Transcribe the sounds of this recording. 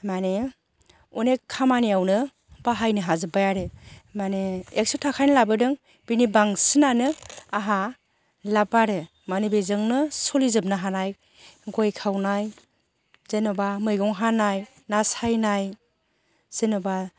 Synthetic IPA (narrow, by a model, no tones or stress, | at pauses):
mane | unekʰamaniawnɯ | b̥aɦajnɯɦazɯbajaɾɯmaneek̚sɔtʰakʰajnɯlabɯdɯŋ | b̥inibaŋsɯnanɯaɦa | labaɾɯ | manibezɯŋnɯsɔlizɯp̚nɯɦanaj | ɡɔjkʰawnaj | zɯnɔbamɯjɡɔŋɦanaj | nasajnaj | z̥ɯnɔba